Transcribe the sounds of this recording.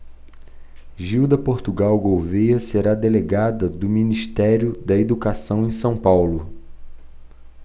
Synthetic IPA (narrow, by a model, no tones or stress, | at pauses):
ʒiwd̪ɐpoɾt̪uɡawɡowvejɐseɾad̪eleɡad̪ɐd̪ʊminiʃt̪ɛɾjʊd̪ɐed̪ukasɐ̃w̃ẽj̃sɐ̃w̃pawlʊ